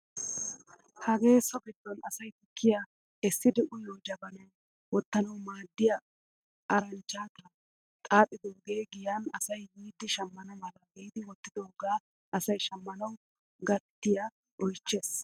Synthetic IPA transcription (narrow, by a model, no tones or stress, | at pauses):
hɐɡe̞ːsɔɡɛd̪ːɔnɐsɐjt̪ʊkʰːɪja | ɛsːɪd̪ɛʔʊjɔːd͡ʒɐbɐnɐw | wɔt̪ːɐnɐwmaːd̪ːɪjɐ | ʔɐɾɐnt͡ʃːaːt̪ɐ | t̪ʼaːpʼːɪd̪oːɡe̞ːɡɪjɐnɐsɐjwiːd̪ːɪʃɐmːɐnɐmɐlɐɡɛjd̪ɪwɔt̪ːɪd̪oɡaː | ʔɐsɐjʃɐmːɐnɐw | ɡɐt̪ːɪjɐ | ʔɔjt͡ʃːeːs